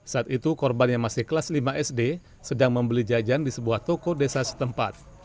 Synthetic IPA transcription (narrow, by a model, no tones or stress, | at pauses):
saːt̪it̪ukɔrbanjaŋmasɪhkəlaslimaʔɛsde | sədaŋməmbəlid͡ʒad͡ʒandisəbuaht̪okodesasə̥t̪əmpa̰t̪̚